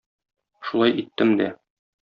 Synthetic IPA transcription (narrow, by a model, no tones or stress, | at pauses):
ʃulˠɑjʔit̪ːɘmd̪æ